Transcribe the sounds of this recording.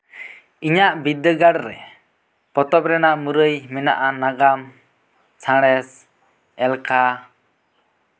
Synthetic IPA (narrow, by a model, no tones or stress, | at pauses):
iɲaʔbid̪əɡaɽɾɛ̰ | pɔt̪ɔp̚ɾɛnaʔmuɾəjmɛna̰ʔanaɡam | t͡ʃʰãɽ̃ɛs | ɛlka